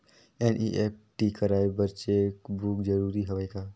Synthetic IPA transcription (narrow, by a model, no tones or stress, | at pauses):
ɛnʔḭʔep̚ʈikəɾaːebəɾt͡ʃekbuːkd͡ʒəɾuːɾiɦɐʋəjkaː